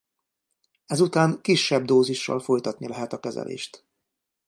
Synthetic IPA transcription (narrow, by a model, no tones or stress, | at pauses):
ɛzut̪aːŋkiʃːɛbd̪oːziʃːɒ̰lfo̞jt̪ɒt̪nilɛɦɛt̪ɒkɛzɛ̰lʔḛːʃt̪